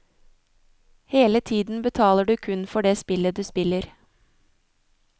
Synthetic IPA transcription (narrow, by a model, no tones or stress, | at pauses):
heːlət̪ʰiːd̪n̩bət̪ʰɑːləɖʉːkʰʉnfɔɖeːspɪləd̪ʉːspɪləɾ